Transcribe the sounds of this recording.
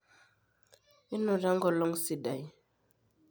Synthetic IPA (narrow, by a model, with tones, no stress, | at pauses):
i˦nɔ˨da˦ŋɡɔ˨lɔ˦ŋsi˨da˨j